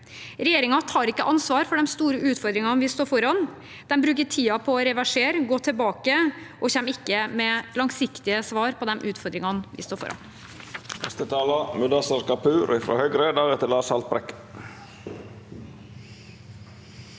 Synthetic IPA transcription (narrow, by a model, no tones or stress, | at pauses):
ɾɛjeːɾɪŋɑt̪ʰɑːɾɪkːəʔɑnsʋɑːɾfɔɖɛmst̪uːɾəʉːt̪fɔɾd̪ɾɪŋɑnʋɪst̪oːɾfɔɾɑn | d̪̥ɛmbɾʉːkəʈʰiːɑpʰɔːɾɛʋæʂeːɾəɡoːt̪ʰəbɑːkə | ʔɔçɛmːɪkːəmɛlɑŋsɪkt̪ɪəsʋɑːɾpʰɔd̪ɛmʔʉːt̪fɔɾd̪ɾɪŋɑnʋɪ̰st̪oːɾfɔ̰ɾɑ̰n | nɛ̰st̪ət̪ʰɑːlɑmʉd̪ɑsɑɾkɑpʰʉːɾɪfɾo̰ːhœʏɡɾed̪ɑɾɛt̪əlɑːsɑlt̪̚bɾɛ̰k